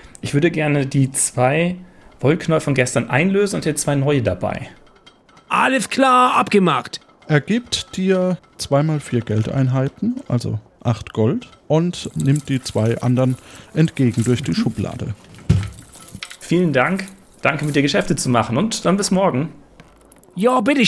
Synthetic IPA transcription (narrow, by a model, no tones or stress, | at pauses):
ʔɪçv̥ʏɐdəɡɛɐnədiːt͡sv̥aɪ | v̥ɔlkʰnɔlfɔnɡɛstɐnʔa̰ɪnløːzn̩ʊntd̥iːɐt͡sv̥aɪnɔʏədaba̰ɪ | ʔaləskʰlaːʔapɡ̥əmaχt | ʔɛɐɡ̥iːp̚td̥iːɐ | t͡sv̥aɪmaːlfiːɐɡɛlta̰ɪnɦaɪtn̩ʔa̰lzo̰ | ʔaχtɡ̥ɔlt | ʔʊntnɪmt̚d̥iːt͡sv̥aɪʔa̰ndɐʁnʔɛntɡ̥eːɡŋ̩dʊɐçd̥iːʃʊpla̰ːdə̰ | fiːləndaŋk | d̥aŋkəmɪtd̥iːɐɡəʃɛftət͡sumaχn̩ʊntd̥anbɪsmɔɐɡŋ̩ | jaːbɪtə